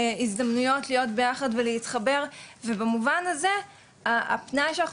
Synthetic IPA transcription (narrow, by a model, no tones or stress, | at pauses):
izdamnujo̞tlijo̞tbe̞jaχadvelehitχabeʁvebemuvanaze̞ | aa̰pnajʃeana